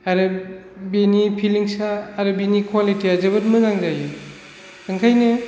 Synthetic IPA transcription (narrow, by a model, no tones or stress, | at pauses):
aɾɯ | benipʰiliŋsaːɾɯbinikʰwalitiazɐbɐtmɯzaŋzajɯ | kɯŋkʰajnɯ